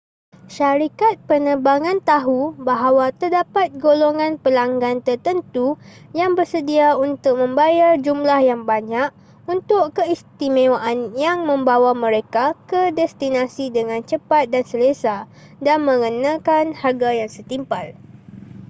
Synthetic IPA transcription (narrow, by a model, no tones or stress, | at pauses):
ʃaɾikat̪̚pənəbaŋãnt̪aɦubaɦawat̪ərdapat̪̚ɡoloŋãnpəlaŋɡant̪ərt̪ənt̪ujaŋbərsədiaunt̪ʊk̚mə̃mbajard͡ʒumlahjaŋbaɲãk̚ | unt̪ʊʔkəist̪imẽwaʔanjaŋmə̃mbawamə̃ɾekakədɛst̪inasidəŋãnt͡ʃəpat̪̚dansəlesa | danmə̃ŋənãkanharɡajaŋsət̪impal